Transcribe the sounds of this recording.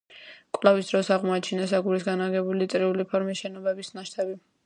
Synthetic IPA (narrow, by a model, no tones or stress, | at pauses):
kʼlˠavisd̪ɾɔsaʁmɔat͡ʃʰinasaɡuɾisɡanaɡɛbulit̪ʼɾiulipʰɔɾmisʃɛnɔbɛbisnaʃt̪ʰabi